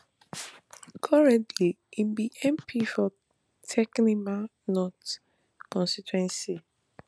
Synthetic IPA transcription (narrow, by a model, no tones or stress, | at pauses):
kʰɔɹɛ̃ntʰli | ibiʔɛ̃mpʰifɔ | tʰɛknima | nɔt | kɔ̃nsitwɛ̃nsi